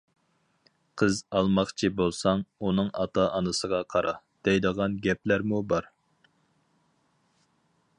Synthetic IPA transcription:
qʰəzɑlˠmɑχt͡ʃʰibolˠsɑŋunɨŋɑ̰t̪ʰɑʔɑnɨsəʁɑqʰɑɾʔɑ | d̪̥ɛjd̪əʁɑnɡʲɛplæɾmubɑɾ

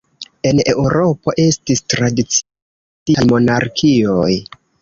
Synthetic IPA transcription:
e̞ne̞wuɾo̞po̞ʔe̞stistɾadit͡s | ijmo̞naɾkʰio̞j

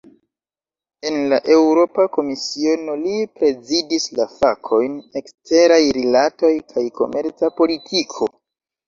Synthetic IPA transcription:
e̞nlaʔe̞wɾo̞pako̞misio̞no̞lipɾe̞zidislafakʰo̞jne̞kste̞ɾajɾilato̞jkʰajko̞̰me̞ɾt͡sapo̞litʰikʰo̞

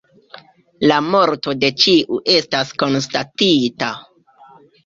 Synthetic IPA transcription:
lamo̞ɾto̞de̞t͡ʃiʔuʔe̞stasko̞nstatita

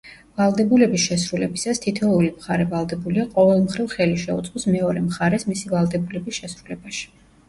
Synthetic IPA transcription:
valˠd̪ɛbulɛbisʃɛsɾulɛbisast̪ʰit̪ʰɔulimχaɾɛvalˠd̪ɛbuliaqʼɔvɛlˠmχɾivχɛliʃɛut̪sʼqʼɔsmɛɔɾɛmχaɾɛsmisivalˠd̪ɛbulɛbisʃɛsɾulɛbaʃi̥

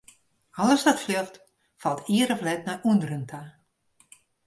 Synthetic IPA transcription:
ɔlˠəsdɔtflɪft | fɑlˠtʰiəɾɔflɛtnajʔundəɾəntʰa

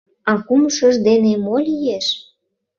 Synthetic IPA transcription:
ɑkuməʃəʒd̪enemolʲijeʃ

